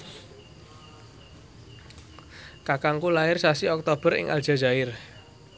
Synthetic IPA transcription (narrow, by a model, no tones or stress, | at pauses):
kakaŋkulaɪrsasiɔk̚t̪ob̥ə̤ɾɪ̰ŋʔa̰lʒ̥a̤d͡ʒaɪr